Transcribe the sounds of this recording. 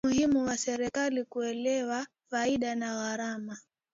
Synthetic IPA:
uhimuwasɛɾɛkalikuɛlɛwa | faiɗanaɣaɾama

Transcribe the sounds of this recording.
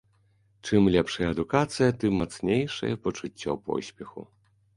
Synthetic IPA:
t͡ʂɨmlʲɛpʂɐjɐɐd̪ukat̪sɨjɐt̪ɨmːat̪snʲejʂɐ̰jɛpɔt͡ʂut͡sʲːɔ̰pɔ̰sʲpʲɛxṵ

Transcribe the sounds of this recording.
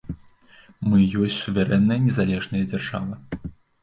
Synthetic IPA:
mɨjɔsʲt͡sʲsuvʲɛɾɛnːɐjɐnʲɛzalʲɛʐnɐjɐd͡zʲarʐa̰vɐ

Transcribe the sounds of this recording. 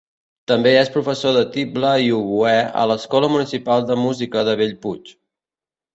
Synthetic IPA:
t̪əmbeespɾufəsoðət̪ibləiuβuɛə̰ləskɔləmunisipalˠd̪əmuzikəðəβeʎput͡ʃ

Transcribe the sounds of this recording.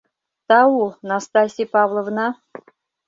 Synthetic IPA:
t̪ɑunast̪asʲipɑvlˠəvnɑ

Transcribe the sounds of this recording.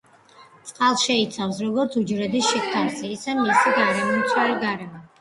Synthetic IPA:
t̪sʼqʼalˠʃɛit̪sʰafsɾɔɡɔɾt̪sʰud͡ʒɾɛd̪isʃikʰt̪ʰansiːsɛmisiɡaɾɛmɔmt̪sʰwɛliɡaɾɛmɔ

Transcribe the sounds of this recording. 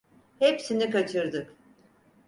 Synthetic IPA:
hepsinikat͡ʃʰɯɾd̪ɯk

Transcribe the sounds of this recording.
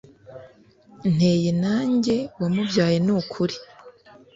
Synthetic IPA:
n̥he̞ːjenaːɲɟe̞wamuvɟaːje̞nukʰuɾi

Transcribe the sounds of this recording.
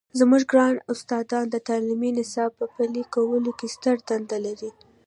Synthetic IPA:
zmuʒɡɾɑnʊst̪ɑd̪ɑnd̪ət̪aliminɪsɑb̚pəpalikawəlokest̪əɾd̪and̪alaɾi

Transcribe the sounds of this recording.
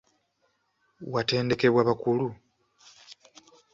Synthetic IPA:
wate̞ːnde̞ke̞βwaβakulu

